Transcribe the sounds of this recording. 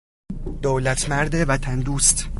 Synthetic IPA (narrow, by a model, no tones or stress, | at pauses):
d̪̥oːlæt̪ʰmæɾd̪evæt̪ʰænd̪uːst̪